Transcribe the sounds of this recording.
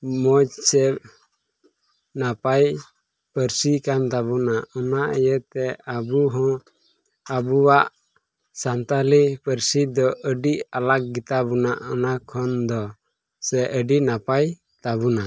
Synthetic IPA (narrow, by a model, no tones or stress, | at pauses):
mɔd͡ʒsɛ | napaj | pəɾsikant̪abunaɔnaʔəjət̪ɛabuɦɔ̃ | abuwaʔ | sant̪alipəɾsid̪ɔʔəɖiʔalak̚ɡit̪abunaʔɔnakʰɔnd̪ɔ | sɛʔəɖiʔnapaj | t̪abuna